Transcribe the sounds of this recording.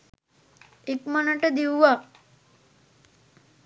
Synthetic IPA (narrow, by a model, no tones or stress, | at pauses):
ekmanəʈəd̪iwʋa